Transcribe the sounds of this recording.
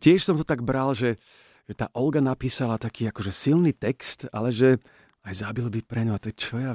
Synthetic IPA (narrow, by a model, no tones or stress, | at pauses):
cɪɛʃsɔmt̪ɔt̪aɡbɾalʒɛ | ʒɛt̪a̰ːʔɔlɡanapiːsalat̪akʰiːakɔʒɛsilniːt̪ɛkst̪a̰lɛʒɛ | ajzabilbipɾɛɲɔat̪ɔɛt͡ʃɔja